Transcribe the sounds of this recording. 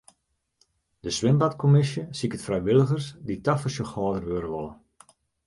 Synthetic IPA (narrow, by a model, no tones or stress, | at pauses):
dəsʋɪmbatkʰomɪsjəsikətfrɛjʋɪlˠəɣərsditafəsjəxɔːdərʋøɾəʋolˠə